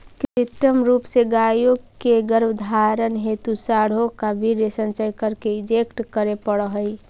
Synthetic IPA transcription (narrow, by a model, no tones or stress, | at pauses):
kt͡ʃit̪ɾəmɾupseɡajokeɡəɾbd̪ʱaɾənɦet̪usaɽ̤okabʱiɾesənt͡ʃəjkəɾkeɪd͡ʒekʈkəɾepəɽəɦəj